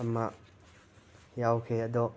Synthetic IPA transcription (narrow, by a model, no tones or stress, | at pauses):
əmaʔ | jawkʰeəd̪ɔ